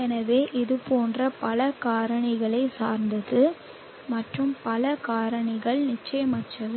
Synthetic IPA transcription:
ɛnɐʋeːʔɪðɯpoːndrɐpɐlɐkaːɾɐɳɪɣɐɭɐɪsa̰ːɾnd̪ɐðɯ | mɐʈrɯmpɐlɐkaːɾɐɳɪɣɐɭnɪt͡ʃːɐjɐmɐʈːrɐðɯ

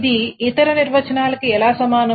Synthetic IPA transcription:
d̪iːt̪ɐɾɐniɾʋɐt͡ʃɐnaːlɐkiɛlaːsɐmaːnɐ

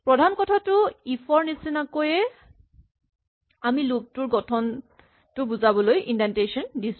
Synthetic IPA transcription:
pɹɔdʱankɔtʰatʊipʰɔɹnisinakojɛ | amilub̚tʊɹɡɔtʰɔn | tʊbuzabɔlojindantejsɔndisʊ̥

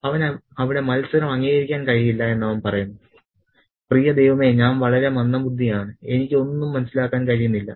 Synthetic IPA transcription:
ɐʋɐnɐʋiɽe̞mɐlsɐɾɐmɐŋːiːɣɐɾikʲːaːnkɐɻijilːɐe̞nːɐʋɐnpɐrɐjunːɐðɨ | prijɐd̪e̞jʋɐme̞ːɲaːnʋɐɭɐɾe̞mɐnːɐmbud̪ʱːijaːɳɨe̞nikʲːɨo̞nːumːɐnɐsːilaːkːaːnkɐɻijunːilːɐ̰

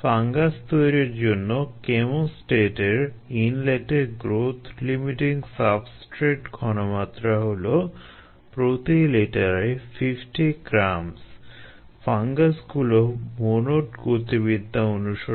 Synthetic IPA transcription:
faŋɡast̪ojɾiɾd͡ʑonːokemosʈeʈeɾinleʈeɡɾot̪ʰlimiʈiŋsapsʈɾeʈkʰɔnomat̪ːɾaɦolo | pɾot̪ileʈaɾefʰifʈiɡɾams | faŋɡasɡulomonoʈɡot̪iβid̪ʱːaonuʃo

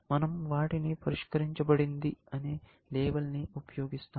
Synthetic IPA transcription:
mɐnɐmʋaːʈinipʰɐɾiʃkɐɾiɲt͡ʃɐpɐɽind̪iɐne | leːbɐlniupɐjoːɡist̪aː

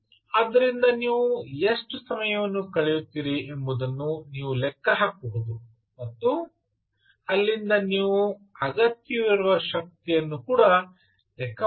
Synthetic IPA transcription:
aːd̪ːɐɾind̪ɐniːʋueʂʈusɐmɐjɐʋɐnːukɐɭɛjut̪ːiːɾiʔembud̪ɐnːuniːʋulɛkːɐɦaːkːubud̪u | mɐt̪ːu | ɐlːind̪ɐniːʋuɐɡɐt̪ːijɐʋiɾuʋɐʃɐk̚t̪ijɐnːukuːɽɐ | lɛkʰːɐ

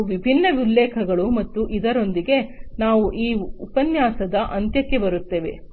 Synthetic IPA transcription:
ʋibʱinːɐʋilːɛːkʰɐɡɐɭumɐt̪ːuʔid̪ɐɾo̞nd̪iɡe̞naːʋuʔiːupɐnjaːsɐd̪ɐʔɐnt̪jɐkːebɐɾut̪ːeːʋe̞̰

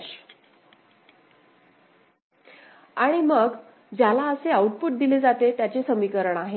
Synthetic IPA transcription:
aɽ̃iməɡ | d͡ʑjalaəseauʈ̚puʈ̚d̪iled͡zat̪et̪jat͡ɕesəmikəɾəɳ̃aɦe

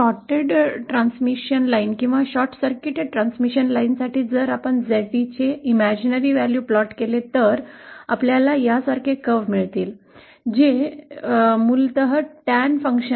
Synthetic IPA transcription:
ɕɔʈeɖʈɾãnsmiɕənlainkĩw̃ʋaɕɔɾʈʰsəɾkiʈeɖʈɾansmiɕənlainsaʈiːd͡zəɾapəɳd͡zəʈit͡ɕeimæd͡ʑinəɾiːʋæljuplɔʈkelet̪əɾa̰pljalajasaɾkʰekəʋmiɭt̪iːl | d͡ʑe | mult̪əɦəʈænfəŋkɕə

